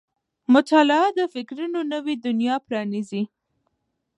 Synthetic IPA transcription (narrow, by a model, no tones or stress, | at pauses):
mʊt̪ɑlɪɑd̪əfɪkɾunonəwed̪ʊnjɑpɾɑnizi